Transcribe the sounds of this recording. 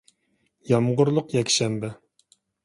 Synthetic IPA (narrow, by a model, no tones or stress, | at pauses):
jɑmʁʊɾlˠʊqjɛkʲʃɛmbɛ